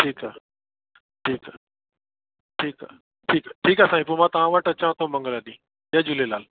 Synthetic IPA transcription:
ʈʰiːkaː | ʈʰiːkaː | ʈʰiːka̰ː | ʈʰiːkːʈʰiːkasãːɪp̬omãt̪ɐʋãʋəʈət͡ɕãːt̪ʰõmɐ̃ŋɡələɗ̪ĩː | ɐd͡ʑʊlelaːl

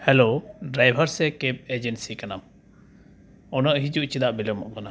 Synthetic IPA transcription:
hɛloɖɾajbʱaɾsɛkep̚ed͡ʒɛnsikanam | ɔnəʔɦid͡ʒuʔt͡ʃid̪aʔbilɔmɔʔkana

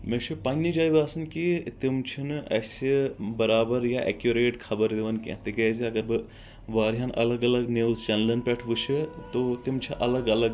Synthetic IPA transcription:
mẽːt͡ʃʰipaːnnid͡ʒaːiʋaːsɐnkit̪ɪmt͡ʃʰinɐːsebɐɾaːbəɾjaʔɛ̰kjuɾeːʈkʰɐbəɾd̪eʋɐnkḛ̃ːt̪eɡɐːziɐɡəɾbɨ | ʋaːɾɦaːnʔɐ̰ləɡɐləɡneːʋzt͡ʃɐnlɐnpɛʈʰʋɨt͡ʃʰɨt̪ot̪ɪmt͡ʃʰiʔɐləɡɐləɡ

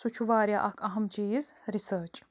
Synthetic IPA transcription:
sut͡ʃʰuvaːɾijaʔakʰʼaɦɯmd͡ʒijizɾisəːt͡ʃʼ

